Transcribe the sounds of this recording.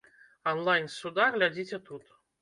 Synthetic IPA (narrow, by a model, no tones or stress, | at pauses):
ɐnlˠajnsud̪arlʲad͡zʲit͡sʲɛt̪ut̪